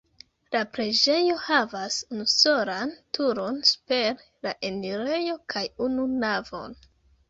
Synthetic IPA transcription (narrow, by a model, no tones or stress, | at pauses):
lapɾed͡ʒe̞jo̞havasunuso̞ɾantuɾo̞nsu̥pe̞ɾ | laʔe̞niɾe̞jo̞kʰajununavo̞̰n